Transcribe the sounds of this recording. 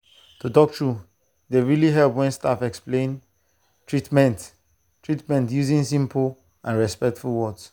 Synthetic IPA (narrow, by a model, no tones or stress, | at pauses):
tʰutɔk̚tʰɹu | deɹiliɦɛlˠpwɛ̃nstafɛksplẽn | tʰɹitmɛ̃nt | tɹitmɛ̃ntjuzĩnsĩmpʰl̩ | ãnɹɛspɛk̚tfulˠwɔds